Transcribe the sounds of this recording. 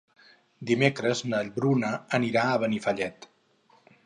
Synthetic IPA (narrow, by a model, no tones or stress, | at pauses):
d̪imekɾəznəʎβɾunəəniɾaəβənifəʎɛt̪